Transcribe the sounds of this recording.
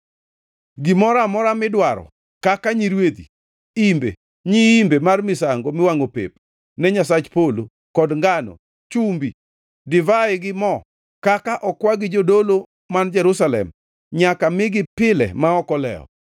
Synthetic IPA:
ɡɪmɔɾamɔɾamɪdwaɾɔ̰ | kakaɲiɾwet̪i | imbḛ | ɲiimbemarmɪsaŋɡomɪwaŋopḛp | nɛɲasat͡ʃpolo | kɔdŋɡanɔ̰ | t͡ʃumbi | dɪvaɪɡɪmɔ | kakaʔɔkwaɡɪd͡ʒodolo | mand͡ʒɛɾusalɛ̰m | ɲakamɪɡɪpɪlɛ̰maɔkɔlɛ̰ɔ̰

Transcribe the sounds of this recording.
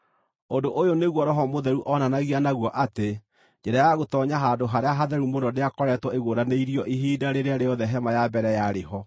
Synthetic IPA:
ondoʔojoneɣwɔɾɔɦɔmoðɛɾuʔɔnanaɣianaɣwɔʔate | d͡ʒɛɾajaɣotɔɲaɦadoɦaɾeaɦaðɛɾumonɔneakɔɾɛtwɔeɣoɾaneiɾiɔʔiɦiːdaɾeɾeaɾejɔðɛɦɛmajabɛɾɛjaɾeɦɔ

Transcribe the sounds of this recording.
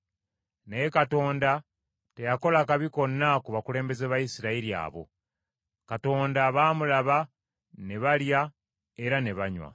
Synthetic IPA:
ne̞kato̞ːnda | te̞jako̞lakaβiko̞nːakuβakule̞ːmbe̞zeβajisiɾaiɾia̰ːβo̞̰ | kato̞ːndaβaːmulaβa | ne̞βalja | e̞ɾane̞βaɲwa̰

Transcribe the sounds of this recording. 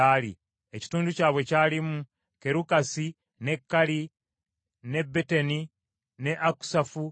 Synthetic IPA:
aːlḭ | eci̥tuːnducaːβwe̞caːlimu | ke̞ɾukasi | ne̞kːali | ne̞bːeteni | ne̞ʔaku̥safu

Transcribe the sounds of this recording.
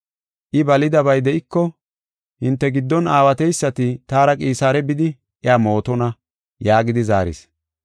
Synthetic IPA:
ʔɪbɐlɪd̪ɐbɐjd̪ɛʔɪkːɔ | hɪnt̪ːɛɡɪd̪ːɔnaːwɐt̪ɛjsːɐt̪ɪt̪aːɾɐkʼiːsaːɾɛbɪd̪ɪ | ʔɪaːmo̞ːt̪ɔnɐ | jaːɡɪd̪ɪza̰ːɾɪ̰s

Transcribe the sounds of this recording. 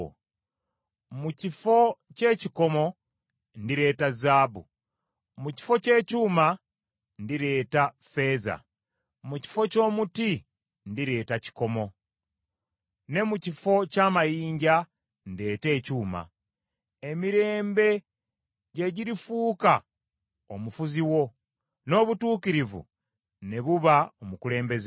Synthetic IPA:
mucifo̞ce̞ːciko̞mo̞ | ndiɾe̞ːtazaːbṵ | muci̥fo̞ce̞ːcuma | ndiɾe̞ːta | feːza̰ | muci̥fo̞co̞ːmuti | ndiɾe̞ːtaci̥ko̞mo̞ | ne̞mucifo̞caːmajiːɲɟa | nde̞ːte̞ːcuːma̰ | e̞miɾe̞ːmbe̞ | ɟe̞ɟiɾifuːka | omufuziwo̞ | no̞ːβutuːkiɾivṵ | ne̞βuβaomukule̞ːmbe̞z

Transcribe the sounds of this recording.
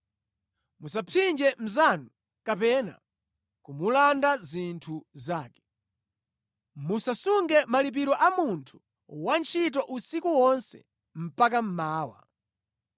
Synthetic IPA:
musapʰind͡ʒɛm̩zanu | kapɛna̰ | kumulandazintʰuzaːkɛ̥ | musasuŋɡɛmalip̬iɾɔʔamuntʰu̥ | want͡ʃʰitɔʔusikuwɔnsɛ̰ | m̩pak̬am̩maːwa̰

